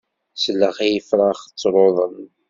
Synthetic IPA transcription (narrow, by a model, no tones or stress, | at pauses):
slːəʁæjəfɾˤɑχt͡sːɾˤoðˤəm